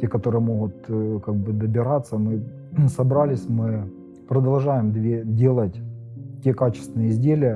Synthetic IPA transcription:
tʲekɐt̪o̞ɾɨjəmo̞ɣʊt̪kaɡ̚bɨd̪əbʲɪɾat̪sːəmɨ | sɐbɾalʲɪsʲmɨ | pɾəd̪ɐlˠʐajɪmd̪vʲedʲe̞lˠətʲtʲe̞kat͡ɕɪ̥st̪vʲɪnəjəɪzʲdʲelʲɪjə

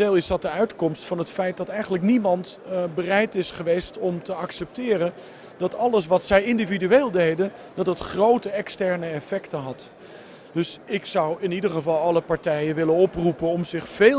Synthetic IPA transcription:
eːlˠɪsdɑt̚dəœɥtkɔmstfɑnɦətfɛjt̚dɑtɛjχənləknimɑntbərɛjtɪsχəʋejstɔmtəɑksɛp̚tɪːrən | d̥ɑtɑləs̬ʋɑtsɛjɪndividyeːlˠdejdən | d̥ɑtətχrowtəɛkstɛɹnəɛfɛktənɦɑt | d̥ɵsɪksʌwɪnidəχəvɑlˠɑləpɑɹtɛjənʋɪlənɔprupənɔmzɪχfe

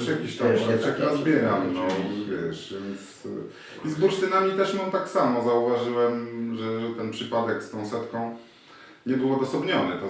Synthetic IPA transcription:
ʂjakʲiɕt̪amɛsakʲiazbʲjɛɾamnɔvʲjɛʂvʲjɛnt̪s | izbuɾʂt̪ɘnamʲit̪ɛʂmamt̪aksamɔzauvaʐɘwɛmʐɛʐɛt̪ɛnpʂɘpad̪ɛkst̪ɔ̃w̃sɛt̪kɔ̃w̃ | ɲɛbɘwɔd̪ɔsɔbɲɔnɘt̪ɔ

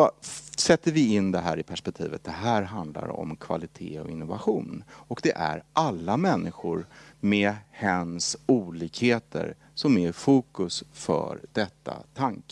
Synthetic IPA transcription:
sɛt̪ːəɾvɪɪnd̪ɛɦæːɾɪpʰæʂpɛk̚t̪ʰḭːvət̪̚d̪ɛɦæːɾɦand̪la̰ɾɔ̰mkʰv̥a̰lɪt̪ʰeːɔɪnːʊvaɧuːnɔkd̪ɛʔæ̰ɾʔalːamɛnːɪɧʊɾmɛhɛnsuːliːkheːt̪ʰə̰ɾ | sɔmæɾfuːkɵsfœ̰ɾd̪ɛt̪ʰːa̰t̪ʰaŋk

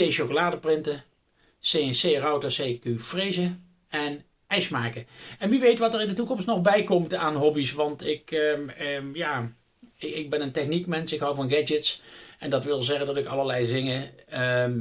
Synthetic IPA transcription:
ejʃokolaːdəprɪntə | sesejrɑwtəsejkyfrejzə | ɛn | ɛjsmaːkəɛnʋiʋejtʋɑtərɪndətukɔmstnɔχbɛjkɔmtaːnɦɔbisʋɑntɪk | jaː | ɪɡ̚bɛnəntɛχnikmɛnsɪkɦɑwvɑnɡɛd͡ʒətsɛndɑtʋɪlˠzɛχəndɑtɪkɑlˠəɹlɛjzɪŋəə

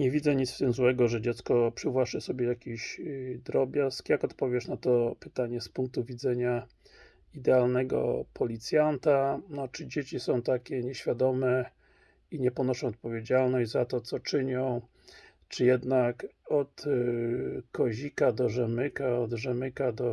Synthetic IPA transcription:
ɲɛvʲid̪zɛɲit̪ft̪ɘmzwɛɡɔʐɛd͡ʑɛt̪skɔpʂɘvwaʂɘsɔbʲjɛjakʲiɕd̪ɾɔbʲjaskjakɔt̪pɔvʲjɛʂnat̪ɔpɘt̪aɲɛspuŋk̚t̪uvʲid̪zɛɲa | id̪ɛalnɛɡɔ̰pʰɔlʲit̪sʲjant̪anɔt͡ʂɘd͡ʑet͡ɕisɔ̃w̃t̪akʲɛɲɛɕfʲjad̪ɔmɛ | iɲɛpɔnɔʂɔ̃w̃ɔt̪̚pɔvʲjed͡ʑalnɔɕd͡ʑzat̪ɔt̪sɔt͡ʂɘɲɔ̃w̃ | t͡ʂɘjɛd̪nakɔt̪ | kɔʑikad̪ɔʐɛmɘkaɔd̪ʐɛmɘkad̪ɔ

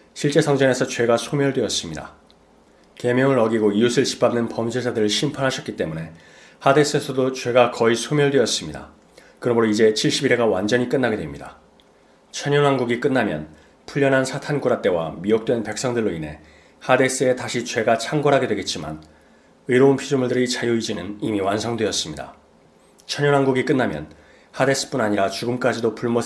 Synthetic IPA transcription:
ɕʰiɭt͡ɕ͈e̞sʰʌŋd͡ʑʌne̞sʰʌt͡ɕwe̞ɡasʰomjʌɭdweʌs͈ɯmɲida̰ | ke̞mjʌŋɯɾʌɡiɡoiusʰɯɭɕʰi̥pʰamnɯnpʌmd͡ʑesʰadɯɾɯɭɕʰimpʰanɦaɕʰʌk͈it͈e̞mune̞ | hade̞s͈ɯesʰʌdot͡ɕwe̞ɡakʌisʰomjʌɭdweʌs͈ɯmɲida̰ | kɯɾʌmɯɾoid͡ʑe̞t͡ɕʰiɭɕ͈ibiɾe̞ɡawand͡ʑʌɲik͈ɯnːaɡedwemɲida̰ | t͡ɕʰʌɲʌnɦanɡuɡik͈ɯnːamjʌ̰n | pʰuʎːʌnɦansʰatʰanɡuɾat͈e̞wa̰miok̚t͈we̞npe̞k̚s͈ʌŋdɯɭːoine̞ | hade̞s͈ɯe̞taɕʰit͡ɕwe̞ɡat͡ɕʰaŋɡʌɾɦaɡewe̞ɡe̞t̚t͡ɕ͈ima̰n | ɯiɾʌunpʰid͡ʑumuɭdɯɾit͡ɕajuid͡ʑinɯnimiwansʰʌŋdwe̞ʌs͈ɯmɲida̰ | t͡ɕʰʌɲjʌnɦanɡuɡik͈ɯnːamjʌn | hade̞s͈ɯ̥p͈unaɲiɾat͡ɕuɡɯmk͈ad͡ʑidopuɭmo

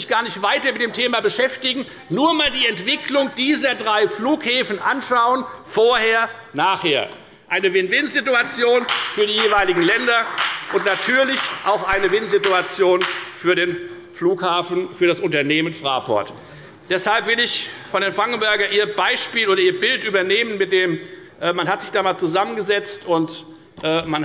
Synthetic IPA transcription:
ɪçɡ̥aːɐnɪçtv̥aɪtɐmɪtd̥eːmtʰeːmabəʃɛftɪɡŋ̩ | nuːɐmaːldiːɛntv̥ɪkʰlʊŋd̥iːzɐdʁaɪfluːkhɛːfn̩ʔanʃaʊənfoːɐheːɐ | naːχheːɐ | ʔaɪnəvɪnvɪnzɪtuat͡sjoːnfyːɐdiːjeːvaɪlɪɡŋ̩lɛndɐʔʊntnatʰyːɐlɪçʔaʊxʔaɪnəvɪnzɪtuat͡sjoːnfyːɐɾeːn | fluːkhaːfn̩fyːɐɾasʔʊntɐneːmənfʁ̥a̰ːpʰɔ̰ɐt | d̥ɛshalpv̥ɪlɪçfɔndeːnfʁ̥aŋk̩bɛɐɡɐnʔiːɐbaɪʃpiːloːɾɐiːɐbɪltʔyːbɐneːmənmɪt̚d̥eːmʔɛːmanhatz̥ɪçd̥aːmaːlt͡suzamənɡəzɛt͡stʊnt | ʔɛːman

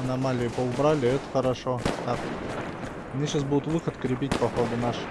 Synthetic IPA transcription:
ɐnɐmalʲɪjʊpəʊbɾalʲɪɛt̪ə̥χəɾɐʂot̪ak | nʲiɕasbud̪ʊt̪vɨxət̪kɾʲɪp̬ʲitʲpɐxod̪ʊnaʂ

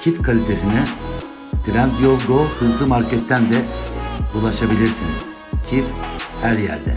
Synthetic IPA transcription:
cʰifkʰalʲit̪ʰesinɛ | d̪̥ɾænd̪jolɡohɯzlˠɯmaɾcɛt̪ʰːænd̪ɛ | ulˠaʃabilʲiɾsiniz̥ | cʰifhæɾjæ̰ɾd̪ɛ̰

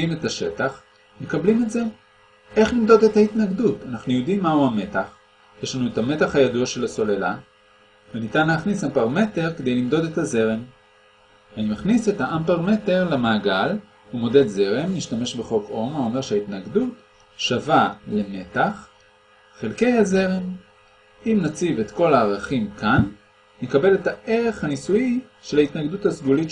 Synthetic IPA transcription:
ime̞taʃe̞taχ | me̞kablimetze̞ | ʔe̞χlimd̪o̞de̞thaitnaɡdutanaχnujo̞dimːauame̞taχ | jeʃlanuethame̞taχhajaduaʃe̞laso̞lela̰ | venitanleaχnisampaʁme̞te̞ʁked̪ejlimd̪o̞de̞thaze̞ʁe̞m | vanimaχnise̞thaʔampaʁme̞te̞ʁlamaːɡal | umo̞de̞dze̞ʁe̞miʃtame̞ʃbe̞χo̞ko̞mao̞me̞ʁʃeaitnaɡdut | ʃavale̞ne̞taχ | χelke̞jhaze̞ʁem | imnat͡sivetko̞laːʁaχimkʰanː | ekabe̞le̞taʔe̞ʁeχhanisuji | ʃe̞laitnaɡduthasɡulit

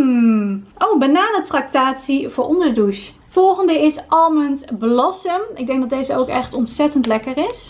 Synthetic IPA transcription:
ʔowbanaːnətrak̚taːtsiv̥ʊːɹʔɔndəduʃ | fɔlˠχəndəɪsʔɑlˠməntbəlɑsəmɪɡ̚dɛŋɡdɑt̚dejzəowkɛχtɔntsɛtəntlɛkərɪs

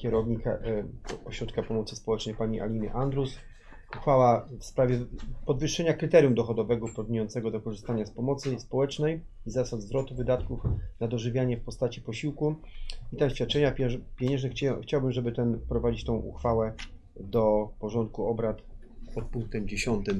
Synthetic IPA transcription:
kʲɛɾɔvɲika̰ | ɔɕɾɔt̪̚kapɔmɔt̪sɘspɔwɛt͡ʂnɛjpaɲiʔa̰lʲimʲjɛ̰ʔand̪ɾus | uxfawafspɾavʲjɛpɔd̪vɘʂːɛɲakɾɘt̪ɛɾʲjumd̪ɔxɔd̪ɔvɛɡɔpɔd̪̚ɲejɔnt̪sɛɡɔd̪ɔkɔʐɘst̪aɲaspɔmɔt̪sɘspɔwɛt͡ʂnɛj | izasad̪zvɾɔt̪uvɘd̪at̪kufnad̪ɔʐɘvʲjaɲɛfpɔst̪at͡ɕipɔɕiwkuit̪amɕfʲat̪̚t͡ʂɛɲapʲɛpʲjeɛɲɛ̃ʐɛxxt͡ɕawbɘmʐɛbɘt̪ɛmpɾɔvad͡ʑit͡ɕt̪ɔ̃w̃ʔṵxfawɛ | d̪ɔpɔʐɔnt̪̚kuɔbɾat̪ | pɔt̪̚puŋk̚t̪ɛmd͡ʑeɕɔnt̪ɘm

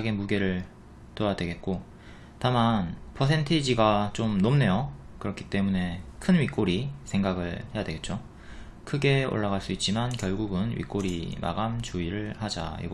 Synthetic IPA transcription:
ɡe̞muɡe̞ɾɯɭ | towadwe̞ɡe̞t̚k͈o | tamanpʰʌsʰe̞ntʰed͡ʑiɡat͡ɕomnomne̞jokɯɾʌkʰi̥t͈e̞mune̞kʰɯnɥik͈oɾisʰe̞ŋɡaɡɯɭhe̞jadwe̞ɡet̚t͡ɕ͈o | kʰɯɡe̞o̰ɭːaɣaɭs͈uit̚t͡ɕ͈imankjʌɭɡuɡɯnɥḭk͈oɾima̰ɡamt͡ɕuiɾɯɭhad͡ʑa̰ḭ

